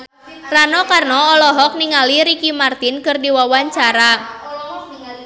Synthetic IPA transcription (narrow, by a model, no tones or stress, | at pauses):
ranɔkarnɔɔlɔɦɔk̚niŋaliɾikimart̪inkɨrdiwawaɲt͡ʃaɾa